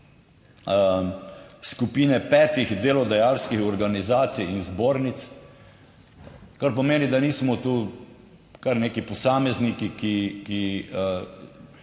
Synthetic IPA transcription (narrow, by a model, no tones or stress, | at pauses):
skupiːnɛpɛːt̪iɣd̪eːlɔd̪ajaːlskixɔɾɡanizaːt̪sijinzboːɾnit̪s | kaɾpɔmeːnid̪aniːsmɔt̪u | kaɾneːkipɔsaːmɛznikikiki